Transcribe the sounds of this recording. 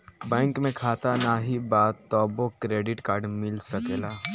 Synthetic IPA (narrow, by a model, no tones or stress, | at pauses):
bɛ̃ːŋkmẽkʰaːt̪anaɦibaːt̪ːɔːbokɾeːɖɪʈkaːɾɖmɪlsɐkeːlaː